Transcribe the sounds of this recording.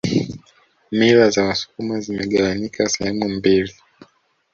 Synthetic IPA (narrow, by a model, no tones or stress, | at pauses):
miɾazawasu̥kumazimɛɠawanikʰasɛhɛmumbili